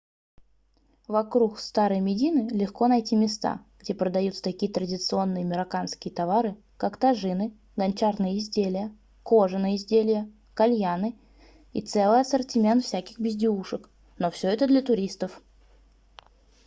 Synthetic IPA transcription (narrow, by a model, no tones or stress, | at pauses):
vɐkɾukst̪aɾɨjəmʲɪdʲinɨlʲɪxko̞nɐjtʲimʲɪst̪a̰ɡ̥dʲepɾəd̪ɐjut̪sə̥t̪ɐkʲijət̪ɾədʲɪt̪sɨo̞nːɨjəmʲɪɾɐkanskʲɪjət̪avaɾɨ | kakt̪ɐʐɨnɨ | ɡɐnʲt͡ɕarnɨjəɪzʲdʲelʲɪjə | ko̞ʐɨnəjɪzʲdʲelʲɪjə | kɐlʲjanɨ | ḭt̪sɛlˠɨjəɐsərtʲɪmʲe̞nt̪fsʲækʲɪxbʲɪzʲdʲɪuʂɨk | no̞fsʲɵɛt̪əd̪lʲət̪ʊɾʲist̪əf